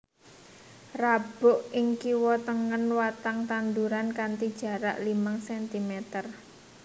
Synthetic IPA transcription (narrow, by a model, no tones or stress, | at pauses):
rab̥ʊʔɪŋkiwɔt̪əŋənwat̪aŋt̪and̪uɾankant̪id̥ʒ̥ä̤ɾaʔlimaŋsɛnt̪imɛt̪ər